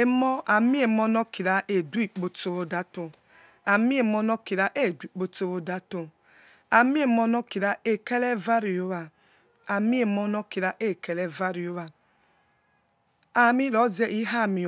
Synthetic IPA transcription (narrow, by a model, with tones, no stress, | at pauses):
e˦mɔ˦a˨mi˦e˨mɔ˦nɔ˦ki˨ɾa˨ʔe˨du˦i˨k͡po˨to˨βo˦da˦to˨ | a˨mi˦e˨mɔ˦nɔ˦ki˨ɾa˦ʔe˦˨du˦i˦˨k͡po˦to˦wo˦da˦to˨ | a˨mi˦e˨mɔ˦nɔ˦ki˨ɾa˦e˨ke˦lɛ˦va˦ɾi˨o˦wa˨ | a˨mi˦e˨mɔ˦nɔ˦ki˨ɾa˦ʔe˦˨ke˨lɛ˦va˦ɾi˨o˦βa˨ | a˨mi˦ɾɔ˨˦ze˦ʔi˦ɦa˦˨mi˨